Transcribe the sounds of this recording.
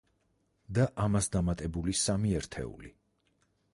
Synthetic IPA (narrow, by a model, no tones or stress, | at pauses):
d̪aʔamasd̪amat̪ʼɛbulisamiɛɾt̪ʰɛ̰ṵlḭ